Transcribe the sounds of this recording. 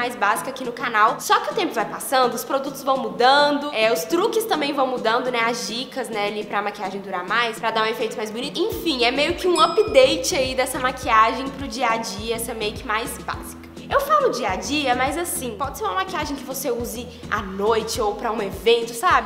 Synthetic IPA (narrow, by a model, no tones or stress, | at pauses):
majzbazikɐakinʊkanawsɔkɪʊt̪ẽmpʊvajpasɐ̃nd̪ʊʊspɾod̪ut̪ʊzvɐ̃w̃mud̪ɐ̃d̪ʊɛʊst̪ɾukɪst̪ɐ̃mbẽj̃vɐ̃w̃mud̪ɐ̃nd̪ʊnɛazd͡ʒikɐznɛalipɾɐːmakiaʒẽj̃d̪uɾaɾmajspɾɐd̪aɾ̃efejt̪ʊzmajzbʊnit̪ẽfĩɛmejʊkɪũɐpid̪ejt͡ʃɪaid̪ɛsɐmakʰiaʒẽj̃pɾʊd͡ʒiɐd͡ʒiɐɛsɛ̃mejʊkɪmajzba̰zikɐ | ewfalʊd͡ʒiɐd͡ʒiɐmɐjzasĩpɔd͡ʒɪseɾũmɐmakiaʒẽj̃kɪvoseuzɪ | a̰nojt͡ʃɪowpɾɐũevẽnt̪ʊsabɪ